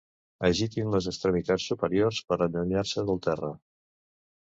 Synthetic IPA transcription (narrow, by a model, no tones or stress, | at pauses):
əʒit̪inləzəkst̪ɾəmit̪at͡sːupəɾiorspəɾənd̪əɲaɾsəðəlˠt̪ɛrə